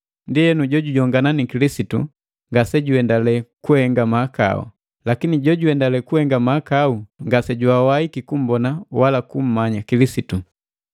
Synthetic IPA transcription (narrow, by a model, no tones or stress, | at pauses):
ndiɛnuɟɔɟuɟɔŋɡananikilisitṵ | ŋɡasɛɟuɛndalɛkuhɛŋɡamaːka̰ṵ | lakiniɟɔɟuɛndalɛkuhɛŋɡamakauŋɡasɛɟuawaikikum̩bɔnawalakum̩maɲakilisitu